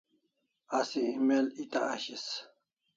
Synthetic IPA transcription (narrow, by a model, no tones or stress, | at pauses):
asiimelit̪aːɕis